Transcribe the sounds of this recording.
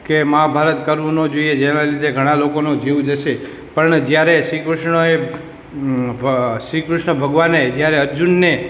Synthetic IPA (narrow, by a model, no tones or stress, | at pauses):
kemaɦabʱaɾət̪kəɾʋonod͡ʒoied͡ʒenalid̪ʱeɡʱəɽ̃ãlokonũd͡ʒeʋũd͡ʒəʃe | pəɳd͡ʒjaɾeʃɾikɾʊʃɳəe | ʃɾikɾʊʃɳəbʱəɡʋaned͡ʒjaɾeəɾd͡ʒunːe